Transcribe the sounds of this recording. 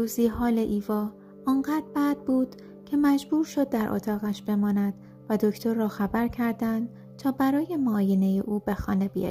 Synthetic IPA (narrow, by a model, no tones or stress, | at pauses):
uːziːɦɒːle̞ʔiːvɒː | ɒːnɢæːd̪̚bæd̪̥̚buːd̪̥ | cʰe̞mæd͡ʒbuːɾʃo̞d̪̚ːæɾʔo̰t̪ʰɒːɣæʃb̥e̞mɒːnæd̪̥ | væd̪o̞cʰt̪ʰo̞ɾːɒːxæbæɾcʰæɾd̪ænd̪ | t̪ʰɒːbæɾɒːje̞mɒːjene̞jeʔuːbe̞xɒ̰ːne̞bijɒ̰j